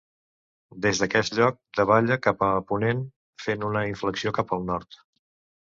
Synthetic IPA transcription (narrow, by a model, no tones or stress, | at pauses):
d̪ezd̪əkɛst̪ʎɔk̚d̪əβaʎəkapəːpunen | fenunəiɱfləksiokapəlˠnɔɾt̪